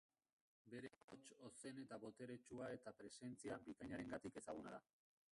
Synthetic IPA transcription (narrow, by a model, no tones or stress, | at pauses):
be̞ɾe̞ot͡ʃo̞se̞ne̞t̪aβo̞t̪e̞ɾe̞t͡ʃuae̞t̪apɾe̞se̞nt͡siambikaɲaɾe̞ŋɡat̪ike̞saɣ̞una̰ða̰